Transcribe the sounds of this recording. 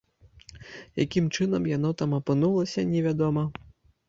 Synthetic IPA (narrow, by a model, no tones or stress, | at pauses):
jakʲimt͡ʂɨn̪ɐmjan̪ɔt̪amɐpɨnulˠɐsʲɐnʲɛvʲad̪ɔmɐ